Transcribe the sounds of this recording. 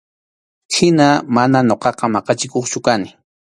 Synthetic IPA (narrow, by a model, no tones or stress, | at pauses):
hɪnamanaɲoqɑqɑmɑqɑt͡ʃɪkoχt͡ʃʊkanɪ